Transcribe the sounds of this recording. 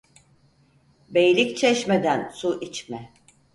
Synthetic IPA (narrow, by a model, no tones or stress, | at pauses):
bejlʲict͡ʃʰɛʃmed̪ænsuʔit͡ʃmɛ